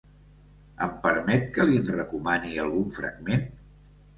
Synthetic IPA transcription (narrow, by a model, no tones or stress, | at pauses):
əmpəɾmɛt̪̚kəlinrəkumaniəlˠɣuɱfɾə̰ɡ̚men